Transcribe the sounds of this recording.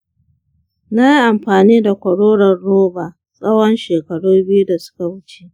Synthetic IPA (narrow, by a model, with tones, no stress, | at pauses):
na˦ji˦ʔa˨mɸaː˨niː˦da˨kʷɐ˨ɽoː˦ɽɐ˨rɽoː˦baː˨ | sʼɐ˦wɔ˦nʃeː˨kɐ˨ɽuː˦bɪ˦ju˦da˨sʊ̥˦ka˨wʊ˦t͡ʃe˦ʔ